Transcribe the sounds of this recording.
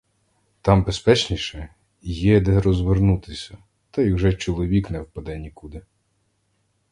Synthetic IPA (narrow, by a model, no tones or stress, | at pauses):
t̪ɑmbespɛt͡ʃnʲiʃɛ | jɛd̪ɛɾɔzʋernut̪ɪsʲɐ | t̪ɐjwʒɛt͡ʃɔlˠɔʋʲiknɛwpɐd̪ɛnʲikud̪ɪ